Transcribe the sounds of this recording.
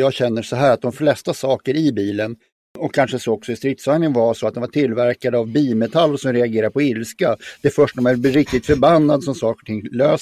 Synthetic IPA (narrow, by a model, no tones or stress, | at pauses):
jɑːɡɕɛnːəʂɔɦæːɾat̪̚d̪ɔmflɛst̪asɑːkəɾɪbiːlən | ɔkʰːanʂəsɔɔksɔɪst̪ɾɪt̪saŋnɪənvaʂɔat̪d̪ɛnvaʈʰɪlvæɾkad̪əavbiːlmɛt̪ʰalːʂɔmɾɛaɡeːɾaɾpʰɔɪlskad̪̥ɛfœʂʈamaæɾbɾɪk̚t̪ɪt̪fœɾbanːad̪sɔmsɑːkəɾɔʈʰɪŋːløːs